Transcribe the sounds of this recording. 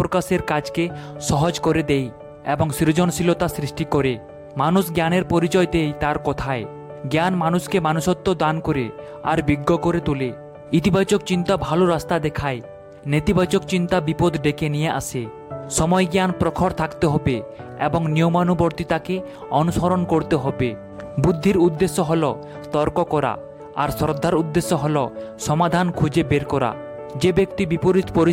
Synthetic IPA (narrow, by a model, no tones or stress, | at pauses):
pɾokaʃeɾkad͡ʑkeʃɔɦod͡ʑkoɾed̪ej | ḛboŋsiɾod͡ʑonsilot̪asɾiʃʈikoɾe | manuʃɡjaneɾpoɾit͡ɕɔet̪ejt̪aɾkɔt̪ʰae | ɡjanmanuʃkemanuʃɔt̪ːod̪ankoɾe | a̰ɾbiɡːokoɾet̪ole | it̪ibat͡ɕokt͡ɕint̪abʱaloɾast̪ad̪ɛkʰae | net̪ibat͡ɕokt͡ɕint̪abipod̪ɖekenijeʔa̰sʰe | ʃɔmɔjɡanpɾɔkʰɔɾt̪ʰakt̪eɦɔbeḛboŋniomanuboɾt̪it̪ake | ɔnuʃɔɾonkoɾt̪eɦɔbe | bud̪ʱːiɾud̪ːesːoɦɔlo | t̪ɔɾkokɔɾa̰ | a̰ɾsɔɾd̪ʱːaɾud̪ːeʃːoɦɔloʃɔmad̪ʱankʰud͡ʑebeɾkɔɾa̰ | d͡ʑebekt̪ibipoɾipoɾi